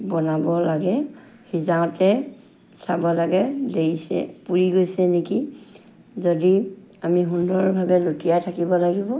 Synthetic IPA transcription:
bɔnabɔlaɡɛ | hizaʊ̃tɛ | sabɔlaɡɛdeisɛ̰puɹiɡojsɛneki | zodi | amiɦundɔɹɔbʱabɛlotijajtʰakibɔlaɡibɔ

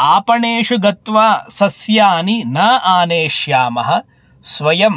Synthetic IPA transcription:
aːpɐɳeːʃuɡɐt̪ʋaːsɐsjaːninaːʔaːneːʃjaːmɐɦɐ̆ | sʋɐjɐm

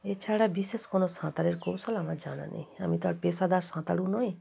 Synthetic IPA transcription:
et͡ɕʰaɽabiʃeʃkonosãt̪aɾeɾkow̃solamaɾd͡ʑana̰nḛja̰mit̪aɾpesad̪aɾsãt̪aɽunɔj

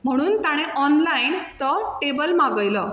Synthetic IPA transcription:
m̤əɽ̃uːnt̪aɽ̃eʔɔnlaint̪ɔʈebəlmaɡəjlɔ

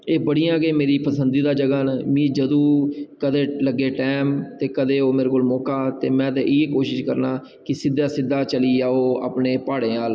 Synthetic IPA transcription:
eːbəɽijãːɡeːmeːɾiːpəsənd̪iːd̪aːd͡ʒəɡaːnmĩːd͡ʒəd̪õːkəd̪eːləɡːeːʈɛːmt̪eːkəd̪eːoːmeːɾekoːlmɔːkaːt̪eːmɛ̃ːt̪ẽːʔieːkoːʃɪʃkəɾnaː | kɪsɪd̪ːaːsɪd̪ːaːt͡ʃəliːaːoːa̰ːpneːpaːɽẽːaːl

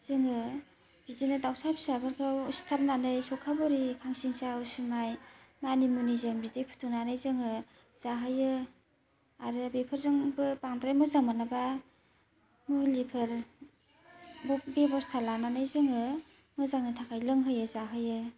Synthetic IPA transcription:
z̥ɯŋɯ | bitenɯdawsapʰsabʰɯɾkʰastʰaɾnanɯjsɔkʰabɔɾikʰaŋsiŋsaɯsimajmanimunizeŋbitejpʰu̥tʰunanɯjzɯŋɯ | z̥aɦɯjɯ | aɾɯbepʰɯɾzɯŋbɯpaŋdɾajmɯzaŋmanaba | mulipʰɯɾ | bɔbebɔstʰalananɯjzɯŋɯ | mɯzaŋnitʰakʰajlɯŋɦɯjɯzaɦɯjɯ

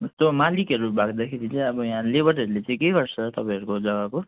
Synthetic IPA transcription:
ʌst̪omalikʌɾubʱaɡd̪akʰeɾit͡sʌĩʌbʌjɦãlebʌɾʌɾulet͡sãĩkeɡʌrt͡sʰʌt̪ʌpãĩʌɾukod͡zʌɡako

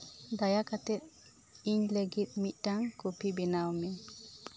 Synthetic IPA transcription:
d̪ajakat̪ɛt̪̚ | iɲleɡit̪miʔdaŋɡopibinawmin

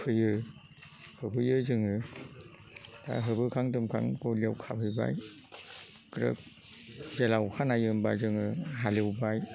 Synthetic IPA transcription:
pʰɯjɯ | hɯbɯjɯzɯŋɯ | ta̰ɦɯbɯkʰaŋtɯmkʰa̰ŋkoliwkʰap̚hɯjba̰j | kɾə̰k̚ | zelawkʰanajɯmbajzɯŋɯɦaliwbaj

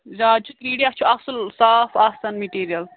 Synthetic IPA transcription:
ɾaːd͡ʒut̪kiɽijat͡ʃʰuɐsɨlsaːfɐsɐnmiʈiːɾijɐl

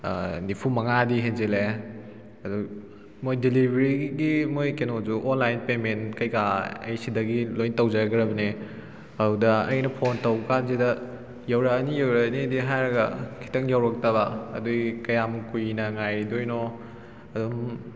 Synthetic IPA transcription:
nipʰumɐŋadiɦenzele | ɐdu | mojdilibʱeɾiɡiɡimojkenozuʔonlajnpemenkɐjkaɐ̰jsidɐɡilojntɐwd͡ʒɐɾɡɾɐbɐne | ɐwdɐɐ̰jnɐpʰontɐwkanzidɐ | jawɾɐːnijawɾɐnidiɦajɾɐɡɐkʰi̥tɐŋjawɾɐk̚tɐbɐ̰ːdujkɐjamukujnɐŋajɾidojnɔ | ɐdum

